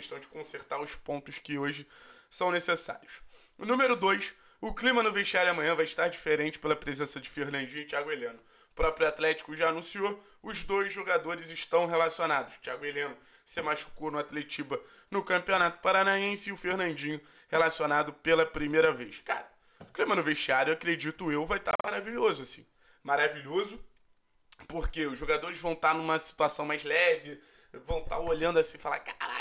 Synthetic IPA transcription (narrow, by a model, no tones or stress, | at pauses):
ʃt̪ɐ̃w̃d͡ʒɪkõseɾt̪aɾʊʃpõt̪ʊʃkɪoʒɪ | sɐ̃w̃nesesa̰ɾiʊs | ʊnũmeɾʊd̪ojʃ | ʊklimɐnʊveʃt͡ʃiaɾʊɐmɐ̃ɲ̃ɐ̃vajɪʃt̪aɾd͡ʒifeɾẽt͡ʃɪ̥pelɐpɾezẽsɐd͡ʒɪfeɾnɐ̃nd͡ʒĩɲʊt͡ʃiaɡʊelẽnʊ | pɾɔpɾjʊat̪lɛt͡ʃi̥kʊʒaːnũsio | ʊzd̪ojzʒoɡad̪oɾɪzɪʃt̪ɐ̃w̃ɦelasionad̪ʊʃt͡ʃiaɡʊelẽnʊ | sɪmaʃu̥konʊat̪let͡ʃibɐ | nʊkɐ̃mpionat̪ʊ̥paɾanaẽsɪʊfehnɐ̃nd͡ʒĩɲʊ | helasionad̪ʊpelɐpɾimejɾɐvejʃkaɾɐ | ʊklĩmɐnʊveʃt͡ʃiaɾjʊewakɾed͡ʒit̪ʊewvajt̪a̰maɾaviʎozʊasĩ̥ | maɾaviʎozʊ | poχkeʊzʒoɡad̪oɾɪzvɐ̃w̃t̪anũmɐsi̥t̪uasɐ̃w̃majzlɛvɪ | vɐ̃w̃t̪a̰oʎɐ̃nd̪ʊasĩfala̰kaɾa̰